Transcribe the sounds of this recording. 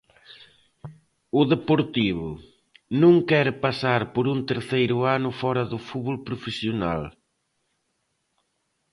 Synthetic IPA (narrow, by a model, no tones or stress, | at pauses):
ʊðepoɾt̪iβʊ | nũŋkɛɾpasaɾpʊɾunt̪eɾθejɾʊanʊfɔɾɐðʊfuβolpɾʊfesjona̰l